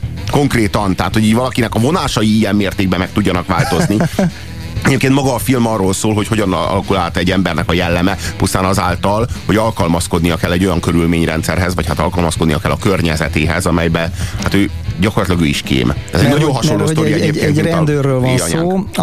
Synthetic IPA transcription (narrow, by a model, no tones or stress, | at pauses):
ko̞ŋkreːt̪ɒnt̪ɛɦaːt̪ho̞ɟiːɟvɒlɒkinɛkɒvo̞naːʃɒjiijɛmːeːrt̪eːɡ̚bɛmɛk̚t̪uɟːɒnɒkʋaːlt̪o̞zni | ɛɟeːpkeːnt̪mɒɡɒːfilmɒrːoːlsoːlɦo̞cho̞ɟɒnɒ̰lɒkulaːlt̪ɛɟːɛmbɛrnɛkɒjɛlːɛmɛpust̪aːnɒzaːlt̪ɒlho̞ɟɒlkɒlmɒsko̞d̪nijɒkɛlːɛɟːo̞jɒŋkø̞ɾylmeːɲrɛ̰nt̪sɛrɦɛzvɒchat̪ɒ̰lkɒlmɒsko̞d̪nijɒkɛlːɒkørɲɛzɛt̪eːɦɛ̰zɒmɛjbɛhat̪øː | ɟɒkorɒt̪lɒɡøːiʃkḛːmɛzɛɟnɒɟonɦɒʃolːoːsɾijɛɟeːkeːnenld̪øːrːøːlvɲaː